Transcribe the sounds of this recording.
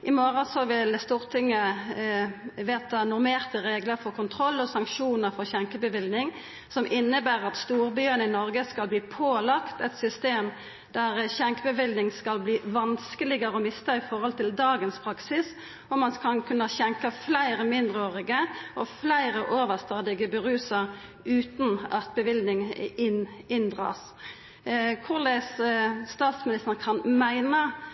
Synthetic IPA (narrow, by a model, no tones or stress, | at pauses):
ʔɪmoːʁɑsɔʋɪlst̪uːʁt̪ʰɪŋːə | ʋeːt̪ɑnʊɾmeːʁt̪əʁeːɡləɾfɔʁkʰʊnt̪ʰʁɔlːɔsɑŋkʃuːnəɾfɔʁçɛŋkəbəʋɪlnɪŋ | sɔmʔɪnːəbæːʁɑt̪st̪uːʁbyːənəɪnɔɾɡəskɑlbliːpʰoːlɑkt̪ɛt̪sʏst̪eːm | d̪̥æʁçɛŋkəbəʋɪlnɪŋskɑlbliːʋɑnskəlɪɡəɾəɔmɪst̪ʰɑɪfɔɾhɔlt̪ʰɪld̪ɑːɡənspʰɾɑksɪs | ɔmɑnkʰɑnkʰʉnːəçɛŋkəflæɪɾəmɪnd̪ʁəoːʁɪɡəɔflæɪɾəʔoːʋəst̪ɑːd̪ɪɡəbəʁʉːsəɾ | ʉːt̪nɑ̰t̪̚bəʋɪlnɪŋɪn | ɪnd̪ʁɑ̰s | kʰʊʁlɛsːt̪ɑːt̪smɪnɪst̪əʁkʰɑnmæɪnə